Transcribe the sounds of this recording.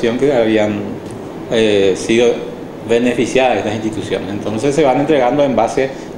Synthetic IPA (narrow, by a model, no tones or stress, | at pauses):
jõ̞ŋkeaβian | esiðo | βe̞nefisjaðaeht̪asĩnst̪it̪usjõ̰nesent̪õ̞nsesːeβanent̪ɾeɣand̪oẽmbase